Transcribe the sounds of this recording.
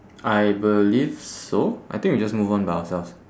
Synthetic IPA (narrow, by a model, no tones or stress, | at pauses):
ʔajbəlivsoʔa̰jt̪ɪ̃ŋkwid͡ʒasmuvɔ̃nbajaəsɛls